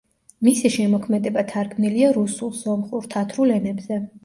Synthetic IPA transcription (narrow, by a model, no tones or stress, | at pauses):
misiʃɛmɔkʰmɛd̪ɛbat̪ʰaɾkʰmniliaɾusulˠzɔmχʼuɾt̪ʰat̪ʰɾulɛnɛbzɛ